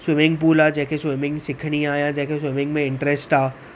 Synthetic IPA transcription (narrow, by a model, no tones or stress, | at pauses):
swɪmɪ̃ŋɡpuːlaːd͡ʒɛɦkʰeswɪmɪ̃ŋɡsɪkʰɽ̃iaːjãd͡ʒɛɦkʰeswɪmɪ̃ŋɡmẽɪ̃ɳʈɾɛsʈaː